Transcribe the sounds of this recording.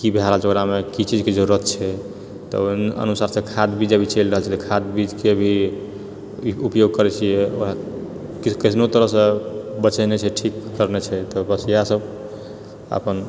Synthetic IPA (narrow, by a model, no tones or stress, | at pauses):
kibʱeaɾat͡ʃoɡɾamekit͡ʃid͡ʒked͡ʒəɾuɾət̪̚t͡ʃʰɛ | t̪ɔ̰ə̰nusaɾsẽkʰad̪bid͡ʒəbʱit͡ʃəlɾəɦəlt͡ʃʰɛt̪ɔkʰad̪bid͡ʒkeəbʱi | upjoɡ̚kəɾɛt͡ʃʰijɛo | kikisnot̪əɾəɦsə̃bət͡ʃənet͡ʃʰɛʈʰikːəɾnet͡ʃʰɛt̪ɔbəsijasəb | a̰pən